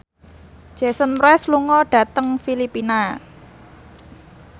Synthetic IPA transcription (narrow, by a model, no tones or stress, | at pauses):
d̥ʒ̥ɛ̤sənmɾoɛsluŋɔɖ̥ä̤t̪əŋfilipina